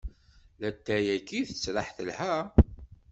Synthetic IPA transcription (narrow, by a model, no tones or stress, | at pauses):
læt̪ːæjækːiθət͡sːɾaħθəlhæ